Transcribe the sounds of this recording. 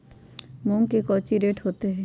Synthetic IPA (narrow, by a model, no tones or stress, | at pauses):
muŋkekɔːt͡ʃiɾeːʈɦoːt̪eɦɛ̃ː